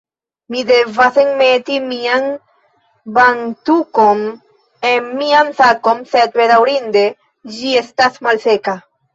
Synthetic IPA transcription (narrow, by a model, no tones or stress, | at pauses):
miðevaθeŋmet̪imiaŋ | baŋt̪ukom | emianθakomset̪̚βeðawɾind̪e | ʒiest̪asmalseka